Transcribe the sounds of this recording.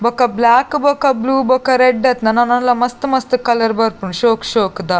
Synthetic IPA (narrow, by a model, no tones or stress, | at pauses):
bɐkɐblaːkbokɐbluːbokɐɾeɖːɐt̪nɐnɐnɐnlɐmɐst̪ɨmɐst̪ɨkɐlɐɾbɐɾpuɳʃoːkʃoːkd̪a